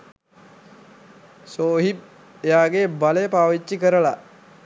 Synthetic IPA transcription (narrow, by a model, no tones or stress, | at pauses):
soːɦib̚ | ejaːɡebalejəpaːʋit͡ʃːikəɾəla